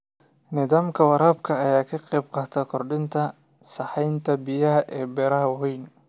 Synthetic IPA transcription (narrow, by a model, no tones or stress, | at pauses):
nɪðaːmkʰɐwɑɾaːb̚kʰɐːjaːkʰɐqɛːb̚qɑːt̪ʰɐkʰɔrɖɪnt̪ʰɐ | sɑħɛjnt̪ʰɐbɪjɐɦɐʔɛːbɛːɾɐɦɐwɛjn